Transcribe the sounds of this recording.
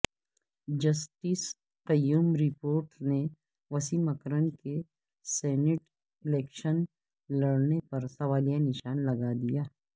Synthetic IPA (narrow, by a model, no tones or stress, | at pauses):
d͡ʒɐsʈiːs | qɐjːuːmɾɪpoːɾʈne | ʋɐsimɐkɾəɳke | sɛːnɪʈ | ɪlɛːkʃən | lɐɽnepɐɾsɐʋaːlijanɪʃaːnlɐɡad̪ijaː